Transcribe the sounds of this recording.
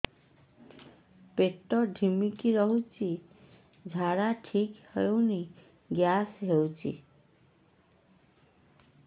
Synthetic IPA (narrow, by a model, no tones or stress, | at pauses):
peʈɔɖʱimikiɾɔɦut͡ʃʰi | d͡ʒʱaɽaʈʰikhɔjowni | ɡjasɦewt͡ʃʰḭ